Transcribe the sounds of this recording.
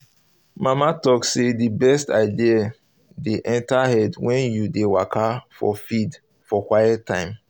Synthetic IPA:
mamatɔksedibɛstaɪdia | deʔɛ̃ntahɛdwɛ̃njudewakʰafɔ̰fid | fɔkwajɛtʰːãɪ̃m

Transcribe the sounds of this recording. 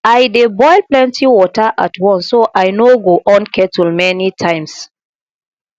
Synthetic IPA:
ajdebɔɪlplɛ̃ntʰiwɔtəʔatwɔ̃nsːoʔajnoɡoʔɔ̃nkʰɛtulmɛnitʰãɪ̃ms

